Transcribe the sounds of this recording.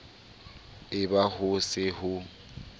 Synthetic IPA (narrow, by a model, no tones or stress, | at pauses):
ɪbahʊsɪhʊ